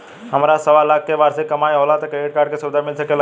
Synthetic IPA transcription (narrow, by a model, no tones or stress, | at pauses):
ɦɐmɾasɐʋalaːk̚keʋaːɾsekɐmaːjɦoːlat̪kɾeːʈ̚kaːɾɖ̚kesʊʋd̪ʱaɾmɪlsəkel